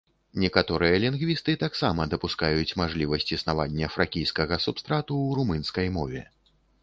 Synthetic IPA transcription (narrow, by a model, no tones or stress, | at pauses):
nʲɛkat̪ɔɾɨjɐlʲinɣvʲist̪ɨt̪aksamɐd̪ɐpuskajut͡sʲmaʐlʲivɐsʲt͡sʲisnavanʲːɐfɾakʲijskɐɣɐsupst̪ɾat̪uwɾumɨnskɐjmɔvʲɛ̰